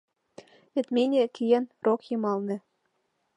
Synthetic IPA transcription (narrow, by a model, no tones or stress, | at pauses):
ĕt̪mʲenʲekijænrokjɤ̆mɑlˠnɤ̆